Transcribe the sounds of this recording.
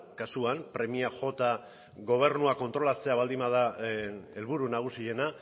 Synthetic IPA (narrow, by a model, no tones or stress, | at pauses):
kasuampɾe̞miaʝo̞t̪a | ɡo̞β̞e̞ɾnuako̞nt̪ɾo̞lat͡se̞aβald̪imað̞a | e̞lβuɾunaɣ̞usie̞na